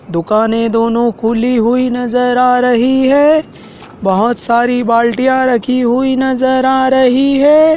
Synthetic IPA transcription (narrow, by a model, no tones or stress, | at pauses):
d̪ʊkaːned̪oːnõkʰʊliɦʊinɐzəɾaːɾɐɦiɦɛː | bɐɦʊt̪saːɾibaːlʈijãɾɐkʰiɦʊinɐzəɾaːɾɐɦiɦɛː